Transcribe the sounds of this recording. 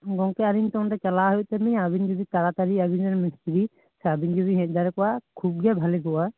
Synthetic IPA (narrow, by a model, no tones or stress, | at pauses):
ɡɔŋkɛaɾint̪ɔŋdɛt͡ʃalaɦɔjt̪ɛmiabind͡ʒɔd̪it̪aɾat̪aɾiabind͡ʒɔnminstidi | sabind͡ʒɔbiɦɛˀd̪aɾɛkɔwakʰub̚ɡɛbʱalɛɡɔwa